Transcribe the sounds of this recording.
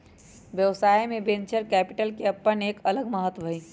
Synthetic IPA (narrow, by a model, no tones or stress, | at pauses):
ʋjəʋsaːimẽbẽnt͡ʃəɾkɛːpɪʈəlkeɐpːəneːkɐləɡməɦət̪ːəi